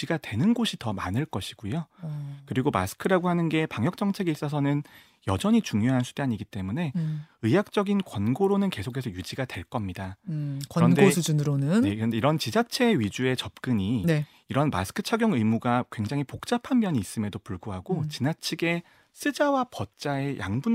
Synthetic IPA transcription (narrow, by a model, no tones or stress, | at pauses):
d͡ʑiɡadwe̞nɯnɡoɕʰitʌma̰nɯɭk͈ʌɕʰiɡ̥ujokɯɾiɡoma̰sʰɯ̥kʰɯɾaɡoɦanɯnɡe̞paŋjʌk̚t͡ɕ͈ʌŋt͡ɕʰe̞ɡeis͈ʌs̬ʰʌnɯn | jʌd͡ʑʌɲit͡ɕuŋjoɦansʰud̥eaɲiɡit͈e̞mune̞ɯjak̚t͡ɕ͈ʌɡinkwʌnɡoɾonɯnke̞sʰokʰe̞sʰʌjud͡ʑiɡadwe̞ɭk͈ʌmɲida | ɾʌndesʰud͡ʑunɾonɯnnekɾʌndeiɾʌnt͡ɕid͡ʑat͡ɕʰe̞ɥid͡ʑue̞t͡ɕʌp̚k͈ɯɲine | iɾʌnma̰sʰɯ̥kʰɯ̥t͡ɕʰaɡjʌŋɯimuɡakwe̞ŋd͡ʑaŋɦipok̚t͡ɕ͈apʰanmjʌɲiːs͈ɯmjʌdopuɭɡoɦaɡot͡ɕinat͡ɕʰiɡe̞ | sʰɯd͡ʑawapʌt̚t͡ɕ͈ae̞jʔa̰ŋbun